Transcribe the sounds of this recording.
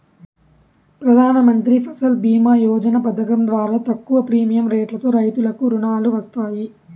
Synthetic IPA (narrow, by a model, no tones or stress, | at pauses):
pɾɐd̪ʱaːnɐmɐnt̪ɾipʰɐsɐlbiːmaːjɔːd͡ʒɐnɐpɐd̪ɐkɐmd̪ʋaːɾaːt̪ɐkːuʋɐpɾiːmijɐmɾeːʈlɐt̪o̞ːɾɐjt̪ulɐkuɾuɳaːluʋɐst̪aːji